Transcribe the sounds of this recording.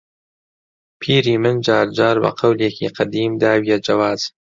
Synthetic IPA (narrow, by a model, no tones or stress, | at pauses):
pʰiːɾiːmɨnd͡ʒaːɾd͡ʒaːɾbɐ̰qʰɐwleːkʰḭːqʰɐd̪iːmd̪aːwijɛd͡ʒɐwaːz̥